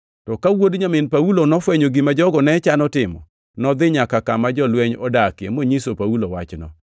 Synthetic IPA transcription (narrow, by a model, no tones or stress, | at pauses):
tɔkawodɲamɪnpaulonɔfwɛɲoɡimad͡ʒɔɡɔnɛt͡ʃanɔtɪmɔ̰ | nɔd̪ɪɲakakamad͡ʒɔlwɛɲɔdakjḛmoɲisopaulowat͡ʃnɔ̰